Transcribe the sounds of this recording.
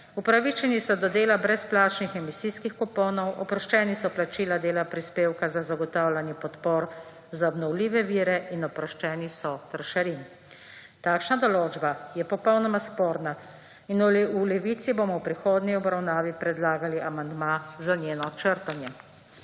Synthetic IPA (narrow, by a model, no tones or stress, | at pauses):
upɾaʋit͡ʃɛnisɔd̪ɔd̪eːlabɾɛsplaːt͡ʃnixɛmisiːskixkɔpoːnɔwɔpɾɔʃt͡ʃɛːnisɔplat͡ʃiːlad̪eːlapɾispeːwkazazaɡɔt̪aːwlʲanjɛpɔt̪poːɾ | zaɔbnɔwliːʋɛʋiːɾɛʔinɔpɾɔʃt͡ʃɛːnisɔt̪ɾɔʃaɾin | t̪aːkʃnad̪ɔloːd͡ʒbajɛpɔpɔwnɔmaspoːɾna | inululɛʋiːt̪siboːmɔwpɾixoːd̪niɔbɾawnaːʋipɾɛd̪laːɡaliʔamand̪mazanjeːnɔt͡ʃəɾt̪anjɛ